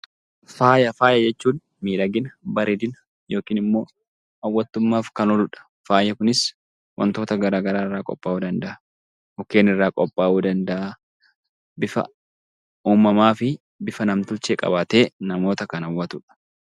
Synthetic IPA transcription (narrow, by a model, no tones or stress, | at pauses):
faːjɐfaːjɐd͡ʒɛt͡ʃːuːn | miːᶑɐɡɪnɐbɐɾɪd̪ɪnɐ | jo̞ːkiːnɪmːo̞ː | ɐwːɐt̪ːʊmːaːfkɐnɔlʊᶑɐ̥ | faːjɐkʊnɪs | wɐ̰nt̪o̞ːt̪ɐɡɐɾaːɡɐɾaːɪrːaːkʼɔ̰pʼːaːuːd̪ɐnd̪ɐʔɐ | hɔke̞ːnɪrːaːkʼɔpʼːaːʔuːd̪ɐnd̪ɐʔɐ | bɪfɐ̰ | uːmɐmaːfɪ | bɪfɐnɐmt̪ʊt͡ʃːeːkʼɐ̰baːt̪e̞ːnɐmo̞ːt̪ɐkɐnɐwːɐt̪ʊᶑɐ̥